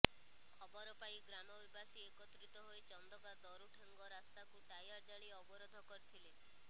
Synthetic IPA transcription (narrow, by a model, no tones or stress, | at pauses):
kʰɔbɔɾɔpajɡɾamɔbibasiekɔt̪ɾit̪ɔɦoet͡ʃɔnd̪ɔkad̪ɔɾuʈʰaŋɡɔɾast̪akuʈajaɾd͡ʒaɭ̃iɔbɔɾod̪ʱɔkɔɾit̪ʰile